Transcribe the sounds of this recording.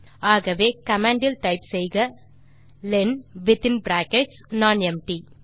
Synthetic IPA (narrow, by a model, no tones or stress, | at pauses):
aːɣɐʋeːkɐmãːɳɖɪlʈɐɪpsɛjɣɐ | lɛnʋɪt̪ɪnbɾaːkɛʈsnaːnɛmʈi